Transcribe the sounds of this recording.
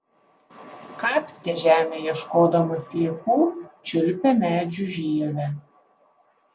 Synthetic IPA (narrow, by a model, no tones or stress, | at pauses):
kɑːpʲsʲɡʲɛʒʲæːmʲejɛʃkoːd̪ɐmɐslʲiɛkuːt͡ʃʲʊlʲpʲɛmʲæːd͡ʒʲʊˑʒʲiːʋʲɛ